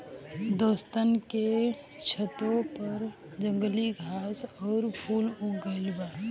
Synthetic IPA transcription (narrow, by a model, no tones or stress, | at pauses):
d̪oːst̪ənket͡ʃʰət̪õpəɾ | d͡ʒə̃ŋɡəliɡʱaːsɔːɾpʰuːluɡəlba